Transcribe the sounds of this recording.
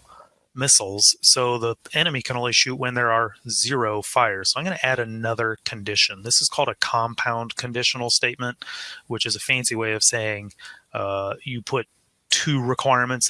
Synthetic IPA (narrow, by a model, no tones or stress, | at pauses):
mɪsl̩ˠz̥soʊðiɛñɨmikʰɨ̃nõʊ̃nliʃʉt̚wə̃nðə˞ə˞zɪɹoʊfaɪə˞z̥soʊaɪ̃mɡʌ̃nɨʔæɾɨnʌðə˞kʰɨ̃ndɪʃɨ̃nðɪsəz̥kʰɔlˠdɨkʰɑ̃mpʰãʊ̃nkʰɨ̃ndɪʃn̩l̩ˠsteɪt̚mə̃nʔwɨt͡ʃɨzɨfæ̃nsiweɪʌv̥seɪɪ̃ŋ | jɨpʰʊtʰ | ʉɹɨkʰw̥aɪɹmɨ̃nts